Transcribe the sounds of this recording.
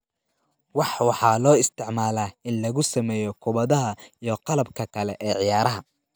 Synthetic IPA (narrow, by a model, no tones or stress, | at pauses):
wɑħwɑħɑːlɔːɪst̪ʰɪʕmaːlaːɪnlɐɣʊsɐmɛːjɔkʰʊβɐðɐɦɐijɔqɑlɐbkʰɐkʰɐlɛʔɛːʕɪjaːɾɐɦɐ